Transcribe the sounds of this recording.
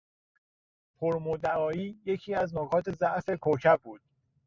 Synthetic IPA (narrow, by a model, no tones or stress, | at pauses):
pʰoɾmod̪æɒːiːje̞cʰiːæznokʰɒːt̪ʰe̞zæʔfe̞kʰocʰæbbuːd̪̥̚